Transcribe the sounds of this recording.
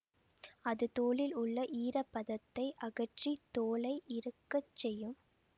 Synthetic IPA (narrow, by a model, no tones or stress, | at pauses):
ɐðɯt̪oːɭɪlʊɭːɐʔiːɾɐpːɐðɐt̪ːɐɪʔɐɣɐʈrit̪oːlɐɪʔɪɾɯkːɐt͡ʃːɛjɯm